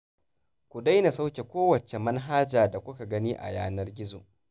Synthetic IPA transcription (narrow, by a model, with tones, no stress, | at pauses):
kʷu˨da˦jna˨sa˦wkʲe˨kʷoː˦wɐ˨t͡ʃe˨mɐ˦nɦaː˦d͡ʒaː˨da˨kʷʊ˦ka˨ɡɐ˦niː˦ʔa̰˨ja̰ː˦nɐ˦rɡʲɪ˦zo̰ː˨ʔ